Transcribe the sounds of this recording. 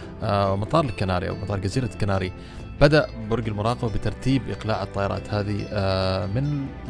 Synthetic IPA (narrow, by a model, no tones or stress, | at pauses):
mɑt̪ˤɑːɾˤɪlkːanaːɾiʔa̰wmɑt̪ˤɑːɾˤɡaziːɾakːanaːɾi | b̥ad̪aʔbʊɾˤɡalmʊɾˤɑːqɑbabɪt̪ɑɾˤt̪iːbʔɪqlaːʕɨt̪ˤːɑːjɑɾˤɑ̰ːt̪haːði | mɪnɪ